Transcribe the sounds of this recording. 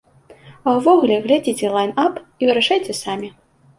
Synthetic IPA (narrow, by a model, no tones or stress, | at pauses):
ɐwvɔɣulʲɛɣlʲad͡zʲit͡sʲɛlˠajnapivɨɾaʂajt͡sʲɛsamʲi